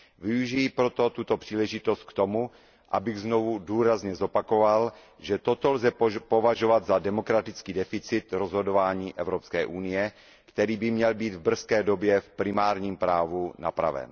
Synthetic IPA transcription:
vɪuʒɪjɪpɾo̞t̪o̞t̪ut̪o̞pr̥iːlɛʒɪt̪o̞st̪̚kt̪o̞mu | ʔa̰bɪɣznovuduːɾazɲɛzo̞pako̞val | ʒɛt̪o̞t̪olzɛpo̞vaʒo̞vad̪zadɛmo̞kɾat̪ɪt͡skiːdɛfɪt͡sɪt̪ɾozɦo̞dovaːɲiːʔɛvɾopskɛːʔunɪjɛ | kt̪ɛɾiːbɪmɲɛlbiːd̪vbr̩skɛːdo̞bjɛfpɾɪmaːɾɲiːmpɾaːvuna̰pɾa̰vɛ̰n

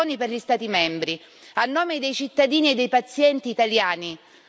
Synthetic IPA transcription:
oːniperʎist̪aːt̪imɛmbɾi | anːoːmed̪ejt͡ʃit̪ːad̪iːnied̪ːejpat̪sːjɛnt̪iːt̪aljaːni

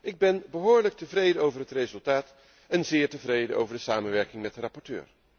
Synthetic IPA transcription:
ʔɪɡ̚bɛnbəɦʊːɹlək̚təvrejdəowvərɦətrezɵlˠtaːt | ɛnzɪːɹtəvrejdəʔo̰wvəɹdəsaːmənʋɛɹkɪŋmɛt̚dərɑpɔɹtø̰ːɹ

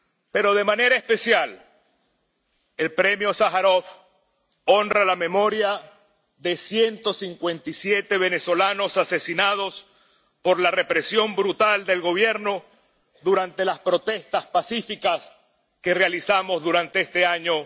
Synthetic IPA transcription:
pe̞ɾo̞ðe̞mane̞ɾaespe̞sjal | e̞lpɾe̞mjosaxaɾof | o̞nralame̞mo̞ɾja | ðe̞sje̞nt̪o̞siŋkwe̞nt̪isje̞t̪e̞β̞e̞neso̞lano̞sase̞sinað̞o̞s | po̞ɾlare̞pɾe̞sjo̞mbɾut̪ald̪e̞lɣo̞β̞je̞ɾno̞ | ðuɾant̪e̞laspɾo̞t̪e̞st̪aspasifikas | ke̞realisamo̞zðuɾant̪e̞est̪e̞aɲo̞

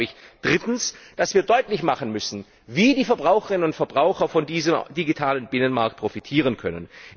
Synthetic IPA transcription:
ɪçd̥ʁɪtn̩sd̥asv̥iːɐdɔʏtlɪçmaχənmʏsn̩ | viːdiːfɛɐbʁaʊxəʁɪnənʊntfɛɐbʁaʊxɐfɔndiːzəmdiɡitʰaːlənbɪnənmaɐk̚t̚pʰʁ̥ofitʰiːʁ̞ənkʰœnə̰n

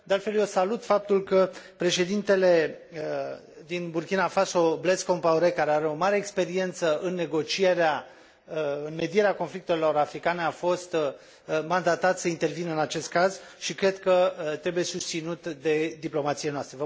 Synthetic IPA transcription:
d̪ealt̪fe̞ljosalut̪fap̚t̪ulkəpɾe̞ʃe̞d̪int̪e̞le̞ | d̪inburkʲinafaso̞ble̞skompauɾe̞kaɾe̞aɾe̞o̞maɾe̞ːkspe̞ɾie̞nt̪səɨnːe̞ɡo̞t͡ʃije̞ɾea | ɨnme̞d̪ieɾeako̞nflik̚t̪elo̞ɾafɾikane̞afo̞st̪ | mand̪at̪at̪səint̪e̞rvinəɨnat͡ʃe̞st̪̚kazʃikɾe̞d̪kət̪ɾe̞buje̞sust̪sinut̪d̪e̞d̪iplo̞mat̪sienoast̪ɾevə

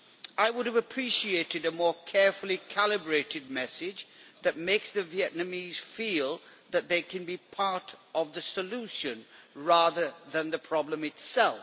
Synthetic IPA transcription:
ʔaɪwʊɾɨvəpʰɹ̥iʃieɪɾɨɾɨmɔɹkʰɛɹfəlˠikʰælˠɨbɹeɪɾɨd̚mɛsɪd͡ʒðɨt̚meɪksðɨviɛʔⁿnɨmiz̥filˠðɨt̪̚ðeɪkʰɨ̃nbipʰɑɹɾʌvðɨsəluʃɨ̃nɹæðə˞ðɨ̃nðɨpʰɹ̥ɑblə̃mɨtsɛlˠ

